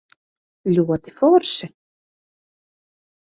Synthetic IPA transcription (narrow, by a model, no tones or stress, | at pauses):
ljuwat̪ɪfɔɾsɪ